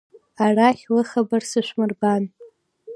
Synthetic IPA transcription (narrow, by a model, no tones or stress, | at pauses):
araχʲlɨχabarsɨʃʷmɨrban